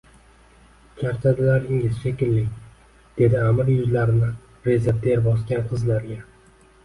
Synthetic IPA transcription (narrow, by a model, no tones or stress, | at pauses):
t͡ʃʰaɾt͡ʃ̪ʰad̪ɪlaɾɪŋɪzʃe̞kʲʰɪllːɪkʲ | d̪̥e̞d̪ɪamɪɾjʊzlaɾɪnɪ | ɾezeɾt̪eɾbɒskʲanqʰɨzlaɾɡʲa